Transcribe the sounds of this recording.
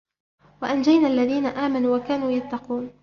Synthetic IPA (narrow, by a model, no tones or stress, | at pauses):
waʔand͡ʒajnaːʔalːaðiːnaʔaːmanuːwakaːnuːjat̪ːɑquːn